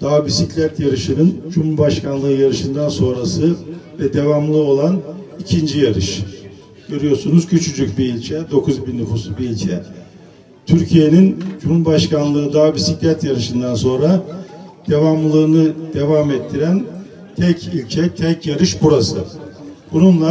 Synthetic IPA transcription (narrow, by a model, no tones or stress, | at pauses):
d̪̥aːbisiclʲæt̪jaɾɯʃɯnɯnd͡ʒumubaʃkʰanlˠɯːjaɾɯʃɯnd̪anso̞nɾasɯvɛd̪e̞vamlˠɯo̞lˠan | icʰind͡ʒijaɾɯ̰ʃ | ɟ̥ø̞ɾyjo̞ɾsunuzcʰyt͡ʃʰyd͡ʒycbiːlʲt͡ʃʰɛd̪o̞kʰuzbinnːufusbiilʲt͡ʃʰɛ | t̪ʰyɾcʰije̞nind͡ʒumhubaʃkanlˠɯːd̪aːbisiclʲæt̪jaɾɯʃɯnd̪anso̞nɾad̪̥e̞vamlˠɯːnɯd̪̥e̞vaːmɛt̪ʰːiɾæn | t̪ʰɛcilʲcʰɛt̪ʰɛcjaɾɯʃbuɾasɯ̰b̥ununlˠa